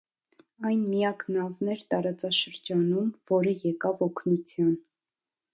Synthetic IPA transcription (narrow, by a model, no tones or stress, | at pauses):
ɑjnmijɑknɑvnɛɾt̪ɑɾɑt͡sɑʃəɾd͡ʒɑnumvɔɾəjɛkɑvɔkʰnut͡sʰjɑn